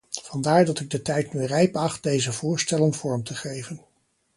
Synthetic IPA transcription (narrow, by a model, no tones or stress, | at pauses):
v̥ɑndaːɹdɑtɪɡ̚dətɛjtnyrɛjpɑχt̚d̥ejzəv̥ʊːɹstɛlənvɔɹmtʰəχejvən